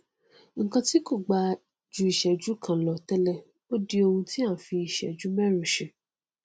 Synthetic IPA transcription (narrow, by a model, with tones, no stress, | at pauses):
ŋ̩˨kã˧ti˦ko˦˨ɡ͡ba˧ | d͡ʒu˧i˨ʃɛ˨d͡ʒu˨˦kʰã˨lɔ˨tɛ˧lɛ˧˨ | o˦di˧o˧hũ˧ti˦ã˦˨fi˧i˨ʃɛ̰˨d͡ʒu˨˦mɛ˦ɾu˨ʃe˨